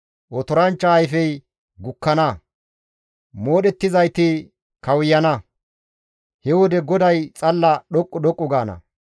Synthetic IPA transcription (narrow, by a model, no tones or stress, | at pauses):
ʔɔt̪ɔɾɐnt͡ʃːɐːjfɛj | ɡʊkːɐnɐ | mo̞ːɗɛt̪ːɪzɐjt̪ɪ | kɐwʊjːɐnɐ | hɛwɔd̪ɛɡɔd̪ɐjt͡sʼɐlːɐɗɔkʼːʊɗɔkʼːʊɡaːnɐ̰